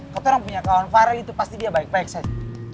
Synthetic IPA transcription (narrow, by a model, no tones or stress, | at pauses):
kat̪oɾaŋpuɲakaɔnfaɾalit̪upast̪idiabaɪk̚baɛk̚sad͡ʒa